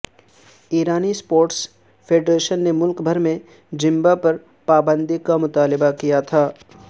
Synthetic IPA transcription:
iːɾaːnispoːɾʈs | fʰeːɖɾeːʃənːemʊlkbʱɐɾmẽ | d͡ʒɪ̃mbapɐɾ | paːbə̃nd̪ʱikamʊt̪aːlɪbakijat̪ʰaː

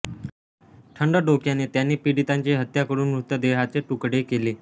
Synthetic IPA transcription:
ʈʰəɳɖəɖokjaneːt̪janːeːpiɽit̪aɲt͡ɕiɦət̪jakəɾuːnmut̪ːəd̪eɦat͡seʈukɽekele

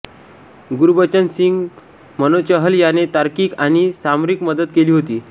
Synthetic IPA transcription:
ɡuɾubət͡ɕənsiŋɡ | mənot͡ɕəɦəljanet̪aɾkiːkañisamɾikməd̪ət̪̚keliːɦot̪iː

